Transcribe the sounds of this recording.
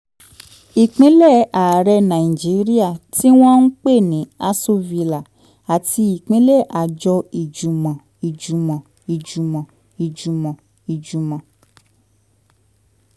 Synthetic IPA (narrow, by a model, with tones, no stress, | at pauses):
i˨k͡pĩ˨˦lɛ˦˨a˨ɾɛ˧nã˨i˨d͡ʒi˨˦ɾi˦a˦˨ti˦w̃ɔ̃˦n̩˦k͡pe˦˨nĩ˨˦a˧so˦˧vi˧la˨ | a˨ti˧i˨k͡pĩ˨˦lɛ˦˨ʔa˨d͡ʒɔ˧i˨d͡ʒu˨mɔ̃˨ | i˨d͡ʒu˨mɔ̃˨ | i˨d͡ʒu˨mɔ̃˨ | i˨d͡ʒu˨mɔ̃˨ | i˨d͡ʒu˨mɔ̃˨